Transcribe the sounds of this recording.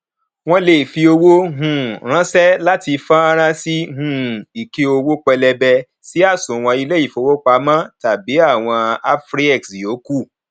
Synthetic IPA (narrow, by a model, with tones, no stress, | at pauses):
w̃ɔ̃˧le˨fi˧o˧wo˦ɦũ˦˨ɾ̃ã˦sɛ˦la˦ti˧fã˦a˦ɾ̃ã˦si˦ɦũ˦˨i˨ke˧o˧wo˦k͡pɛ˧lɛ˧bɛ˧ | si˨˦a˦˨sũ˨w̃ɔ̃˧i˧lɛ˦i˦˨fo˧wo˦k͡pa˧˦mã˦ta˨bi˨˦a˦˨w̃ɔ̃˧a˦fɾi˦ɛ˦˨ksjo˨˦ku˦˨